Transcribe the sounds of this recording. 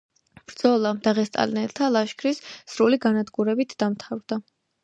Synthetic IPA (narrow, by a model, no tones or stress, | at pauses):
b̥ɾd̪zɔlˠad̪aʁɛst̪ʼa̰linɛlt̪ʰalˠaʃkʰɾisːɾuliɡanad̪ɡuɾɛbit̪ʰd̪̥amt̪ʰavɾd̪a